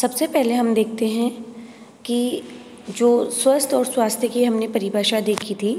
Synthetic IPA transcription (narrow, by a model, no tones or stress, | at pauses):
sɐbsepɛɦleɦɐmd̪eːk̚ʰt̪eɦɛ̃ | ki | d͡ʒoːswɐst̪ɔːɾswaːst̪ʰjəkiɦɐmnepɐɾibʱəːʃad̪eːkʰit̪ʰiː